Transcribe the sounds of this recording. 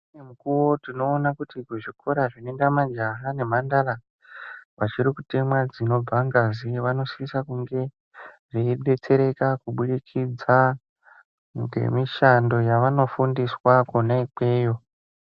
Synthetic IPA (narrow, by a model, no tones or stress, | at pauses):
emukuwo̞tino̞ːnakutikuʐikʰo̞ɾaʐinoendamad͡ʒaɦane̞mandara | ʋat͡ʃiɾikute̞mwad͡zino̞b͡vʱaŋɡaziʋano̞siisakuŋɡe̞ | ʐiiɓe̞t͡se̞ɾe̞kakuɓuɗikʰid͡za | ŋɡḛmiʃando̞jaʋano̞fundiswakunaik͡pe̞ːjo̞